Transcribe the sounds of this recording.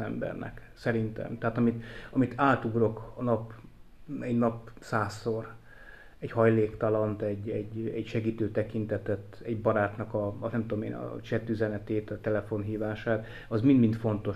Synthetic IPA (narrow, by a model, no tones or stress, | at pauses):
ɛmbɛ̰rnɛ̰ksɛɾint̪ɛ̰mt̪ɛɦaːt̪ɒmit̪ɒmit̪ʰaːt̪uɡro̞kɒnɒp | ɛɟnɒpsaːsːor | ɛɟhɒjleːkt̪ɒlɒnt̪ɛɟɛɟɛɟʃɛɡiːt̪øːt̪ɛkint̪ɛt̪ɛt̪ːɛɟbɒɾaːt̪nɒkɒnɛmt̪uomḛːnɒ̰t͡ʃɛt̪ːyzɛnɛt̪eːt̪ɒt̪ɛlɛfo̞nɦiːvaːʃaːt̪ | ɒzmind̪mint̪fo̞nt̪o̞